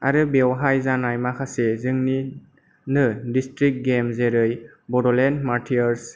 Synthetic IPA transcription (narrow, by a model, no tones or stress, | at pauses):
aɾɯbewɦajzanajmakʰasezɯŋni | nɯdistɾik̚ɡemzeɾɯj | bɔdɔlendmatʰiɔɾs